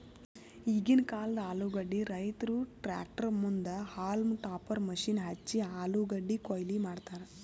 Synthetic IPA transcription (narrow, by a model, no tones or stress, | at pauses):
iɡinkaːlɐd̪ɐaːluɡɐɖːiɾɐjt̪ɐɾuʈɾa̰ːk̚ʈɐɾmund̪ɐhaːlmʈaːpɐɾmɐʃinɦɐt͡ʃːiaːluɡɐɖːikoːjlimaːɖt̪aːɾe